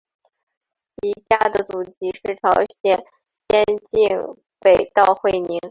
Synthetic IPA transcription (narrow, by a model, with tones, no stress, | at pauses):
ɕi˧˥t͡ɕja˥d̪ə˨t͡su˨˩t͡ɕi˧˥ʂɻ̩˥˩ʈ͡ʂʰɑ˧˥ʊɕjɛ˨˩n | ɕjɛ˥nt͡ɕi˥˧ŋ | pe˨˩ɪt̪ɑ˥˧ʊxwe˥˩ɪni˧˥ŋ